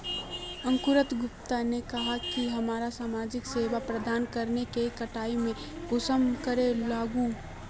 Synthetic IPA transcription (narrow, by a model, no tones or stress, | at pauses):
ə̃ŋkʊɾət̪ɡʊpt̪anekɐɦakiɦɐmaːɾasaːmaːd͡ʒɪkseːʋapɾəd̪aːnkəɾnekekəʈaːimẽ | ɡʊsəmkəɾelaːɡũ